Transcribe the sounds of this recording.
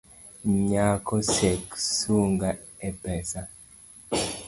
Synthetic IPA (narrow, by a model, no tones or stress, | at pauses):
ɲakɔsɛksuŋɡa | ɛpɛsa